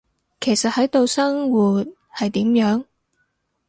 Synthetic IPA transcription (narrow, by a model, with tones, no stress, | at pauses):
kʰe˨˩jsɐ˨t̚hɐ˨˥jt̪o˧wsɐ˥ŋwuː˨t̚ | hɐ˨jt̪iː˨˥mjœː˨˥ŋ